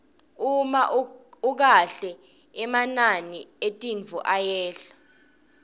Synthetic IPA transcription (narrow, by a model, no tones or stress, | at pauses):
umaʔuk̬aɬɛ | ɛmananietʼinvʱṵʔajɛːɬḁ